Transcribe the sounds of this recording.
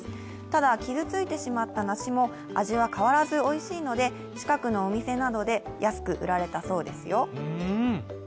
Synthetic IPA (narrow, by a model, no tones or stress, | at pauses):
t̪ad̪akʲizɨt͡sɨit̪e̞ɕimat̪ːanaɕimo̞ | aʑiβakaβaɾazɨo̞iɕiːno̞d̪e̞ | t͡ɕi̥kakɯ̟no̞ːmʲise̞nad̪o̞d̪e̞jʔasɨ̥kɯ̟ʔɯ̟ɾaɾe̞t̪aso̞ːd̪e̞sɨjo̞